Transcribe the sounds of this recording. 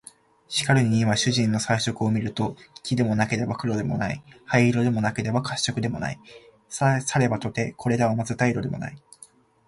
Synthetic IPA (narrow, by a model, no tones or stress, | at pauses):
ɕi̥kaɾɯ̟ɲ̟iimaɕɨʑĩnːo̞saiɕo̞kɯo̞mʲiɾɯ̟t̪o̞kʲid̪e̞mo̞nake̞d̪e̞bakɯ̟ɾo̞d̪e̞mo̞̰naihaiɾo̞d̪e̞mo̞nake̞d̪e̞bakaɕːo̞kɯ̟d̪e̞mo̞̰na̰i | ssaɾe̞bat̪o̞t̪e̞kʰo̞ɾe̞ɾaβamazɨt̪aiɾo̞d̪e̞mo̞̰na̰i